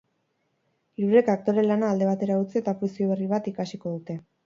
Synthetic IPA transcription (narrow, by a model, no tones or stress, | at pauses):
iɾuɾe̞kak̚t̪o̞ɾe̞lanaːld̪e̞β̞at̪e̞ɾaut͡siet̪apusioβe̞riβ̞at̪ikasiko̞ð̞ut̪e̞